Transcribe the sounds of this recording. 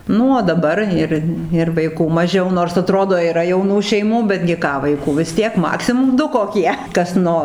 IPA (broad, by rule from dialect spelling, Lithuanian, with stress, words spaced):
ˈnʊ oː dɐˈbɐr ˈɪr ɪr ʋɐɪˈkuː mɐˈʒʲɛʊ noːrs ɐˈtroːdoː iːˈrɐ jɛʊˈnuː ʃʲɛɪˈmuː bʲɛdʲɡʲɪ ˈkɑː ʋɐɪˈkuː ʋʲɪs ˈtʲiɛk ˈmɑːksʲɪmʊm ˈdʊ koːˈkʲiɛ ˈkɐs ˈnoː